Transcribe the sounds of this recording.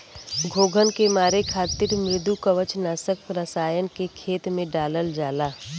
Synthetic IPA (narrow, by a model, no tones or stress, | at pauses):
ɡʱoːɡʱənkemaːɾekʰaːt̪iɾmeːd̪ukəʋət͡ʃnaːsək̚pɾəsaːjənkekʰeːt̪mẽɖaːləld͡ʒaːlaː